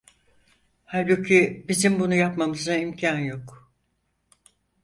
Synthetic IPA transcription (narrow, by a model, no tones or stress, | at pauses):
halʲbucʰibizimbunujapmamɯzd̪aimcʰanjo̞k